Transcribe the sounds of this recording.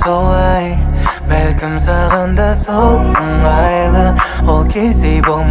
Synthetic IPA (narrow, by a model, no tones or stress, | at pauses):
solˠɑjbælkʲɪmsɑʁɑnd̪ɑsot̪ʰəɴʁɑjlˠəolˠkʲʰejsejbolˠm